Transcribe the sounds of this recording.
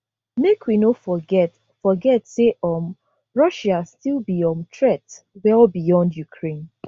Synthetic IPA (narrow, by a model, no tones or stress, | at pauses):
mekʰwinofɔɡɛt | fɔɡɛtseʔɔm | ɹɔʃastilˠbiɔ̃mtʰɹɛtwɛlbijɔ̃ndjukʰɹẽn